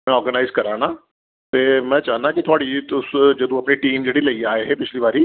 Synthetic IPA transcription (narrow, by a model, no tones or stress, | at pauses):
mɛ̃ɔːɾɡənaɪzkəɾana | t̪emɛ̃d͡ʒaɦnakit̪ʰoaɽit̪ʊsd͡ʒed̪ũɐpniʈiːmd͡ʑeɽiːləiaːeɦepɪt͡ʃʰliːʋaɾiː